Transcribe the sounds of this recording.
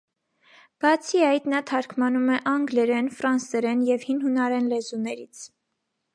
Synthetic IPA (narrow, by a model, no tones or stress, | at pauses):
b̥ɑt͡sʰiɑjt̪nɑt̪ʰɑɾkʰmɑnumɛʔɑŋɡlɛɾɛnfɾɑnsɛɾɛnjɛvhinɦunɑɾɛnlɛzunɛɾit͡sʰ